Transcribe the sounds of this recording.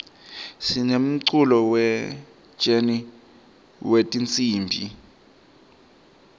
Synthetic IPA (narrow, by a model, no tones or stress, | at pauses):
sinem̩ǀulɔwɛ̥ | d͡ʒ̥eni | wetʼint͡sʼiːmbʱḭ